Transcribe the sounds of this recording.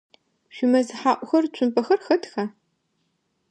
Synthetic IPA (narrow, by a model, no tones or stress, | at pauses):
ʒʷʊmɐzħaːʔʷʊxɐrt͡ʃʷʰʊnpʰɐxɐrxɐtʰxɐ